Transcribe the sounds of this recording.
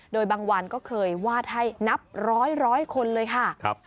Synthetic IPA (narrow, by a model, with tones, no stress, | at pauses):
doː˧jbaː˧ŋwa˧nkɔː˥˩kʰɤː˧jwaː˥˩t̪̚ha˥˩jna˦˥p̚ɾɔː˦˥jɾɔː˦˥jkʰo˧nlɤː˧jkʰa˥˩kʰp̚